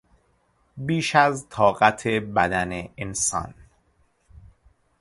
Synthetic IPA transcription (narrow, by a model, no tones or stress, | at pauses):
biːʃæzt̪ʰɒːɣæt̪ʰe̞bæd̪æneensɒ̰ːn